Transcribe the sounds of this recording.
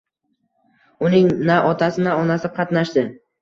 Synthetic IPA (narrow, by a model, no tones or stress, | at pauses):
ʊnɪŋnaʔɒt̪ʰasɪnaɒnasɪqʰɑt̪naʃd̪ɪ